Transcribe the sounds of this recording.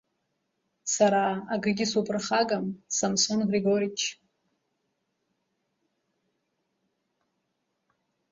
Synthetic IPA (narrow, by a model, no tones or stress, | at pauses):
saɾaːɡɨɡʲɪsupʰʼrχaɡamsamsonɡreɡoɾit͡ʃʰ